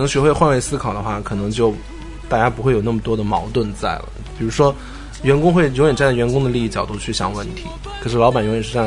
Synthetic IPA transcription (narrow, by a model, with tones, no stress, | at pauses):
nɤ˧˥ŋɕɥɛ˧˥xwe˥˧ɪxwa˥˧nwe˥ɪsɹ̩˥kʰɑ˨˩ʊd̪ə˦xwa˥˩kʰɤ˨˩nɤ˧˥ŋt͡ɕjo˥˩ʊ | t̪a˥˧t͡ɕja˥pu˧˥xwe˥˩jo˨˩na˥˩mə˩t̪wɔ˥d̪ə˨˩mɑ˧˥ʊt̪wə˥˧nt͡sa˥˩ɪlə̰˩pi˨˩ɻu˧˥ʂwɔ˥ | ɥɛ˧˥nkʊ˥ŋxwe˥˩ɪjo˧˥jɛ˨˩nʈ͡ʂa˥˧n˥˩ɥɛ˧˥nkʊ˥ŋd̪ə˨li˥˧i˥˩t͡ɕjɑ˨˩ʊt̪u˥˧t͡ɕʰy˥˩ɕjɑ̰˨˩ŋwə˥˩nt̪ʰḭ˧˥ | kʰɤ˨˩ʂɻ̩˥˩lɑ˧˥ba˨˩njo˧˥ŋjɛ˨˩ʂ̩˥˧ʈ͡ʂa˥˧